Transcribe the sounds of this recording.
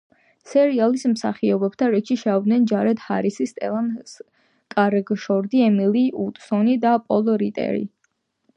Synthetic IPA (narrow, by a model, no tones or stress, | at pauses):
sɛɾialismsa̰χiɔbɛb̥t̪ʰaɾɛt͡ʃʰiʃɛɔd̪nɛnd͡ʒaɾɛd̪ha̰ɾisist̪ʼɛlˠans | kʼaɾɡʃɔɾd̪iɛmiliut̪ʼsɔnid̪apʼɔlˠɔɾit̪ʼɛ̰ɾḭ